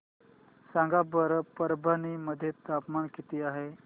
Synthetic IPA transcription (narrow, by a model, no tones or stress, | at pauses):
sãŋɡabəɾpəɾbʱaniməd̪ʱːjet̪apmankit̪iːaɦe